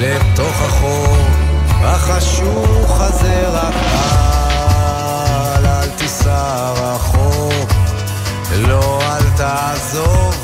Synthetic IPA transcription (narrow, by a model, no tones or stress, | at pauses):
levt̪oχaχo | haχaʃ | uvχazeʁakba | lalt̪isa | ʁaχo | loalt̪a | zov